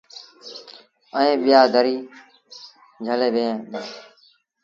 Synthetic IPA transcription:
əẽːɓɪjaːɡʱəɾiː | d͡ʒʱəleːbẽːẽː

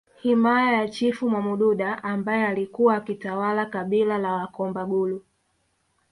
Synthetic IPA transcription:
himajajat͡ʃifumwamuɗuɗaʔambajɛalikuwaːkitawalakaɓilalawakɔmbaɡulu

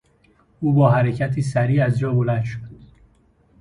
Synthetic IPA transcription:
ʔuːbɒːɦæɾecʰæt̪ʰiːsæɾiːæzd͡ʒɒːbolæd̪ʃod̪̥

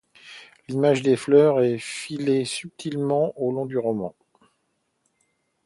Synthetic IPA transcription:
limaʒd̪eflœʁɛfilesyp̚t̪ʰilmɑ̃ʔolɔ̃d̪yʁɔmɑ̰̃

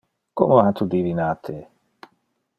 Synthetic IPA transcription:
kɔ̰mɔɦat̪ʰud̪ivinat̪ʰe

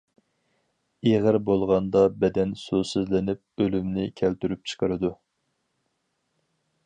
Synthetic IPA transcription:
eʁəɾbolˠʁɑnd̪ɑbɛd̪ɛnsusɨzlɪnɪp̚ølymnɪkʲʰælt̪yɾyp̚t͡ʃʰə̥qʰəɾɨd̪u

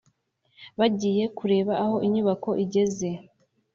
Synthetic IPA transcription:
βaɟiːje̞kuɾe̞ːβaːho̞ʔiɲuβako̞ʔiɟe̞ze̞

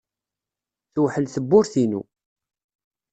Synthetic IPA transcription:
θuħəlθəbːʊɾθinṵ

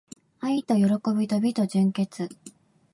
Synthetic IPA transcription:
ait̪o̞jo̞ɾo̞ko̞bʲit̪o̞bʲit̪o̞ʑɨ̃ŋke̞t͡sɨ

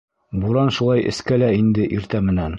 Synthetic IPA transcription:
buɾɑnʃulˠɑjʔɘ̰̆skælæind̪ɘʔiɾt̪æmɘ̆næn

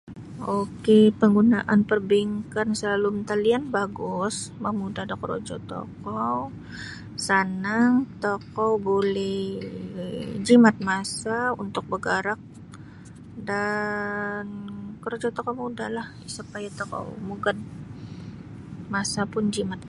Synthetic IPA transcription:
okepəŋɡunaʔanpərbiŋkansəlalumt̪alianbaɡʊsmamudahdakɾo̰d͡ʒɔ̰t̪o̰kɔw | sanaŋt̪okɔwbolɛh | d͡ʒimat̪̚masaṵnt̪ʊk̚bəɡaɾak̚ | da | nkəɾod͡ʒɔt̪okomuda̰lah | supajat̪okɔ̰muɡad̚ | masapʊnd͡ʒimat̪̚

